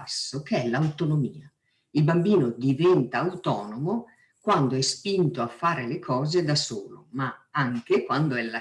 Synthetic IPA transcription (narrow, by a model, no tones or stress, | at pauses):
asːokeɛlːawt̪onomiːa | ilbambiːnod̪ivɛnt̪aːwt̪ɔːnomo | kwand̪oɛspint̪oafːaːɾelekʰɔːzed̪asoːlo̰maaŋkekwand̪oɛlːa